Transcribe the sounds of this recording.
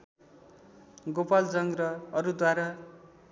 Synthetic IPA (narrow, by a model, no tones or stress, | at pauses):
ɡopald͡zʌŋɡrʌʌɾud̪waɾa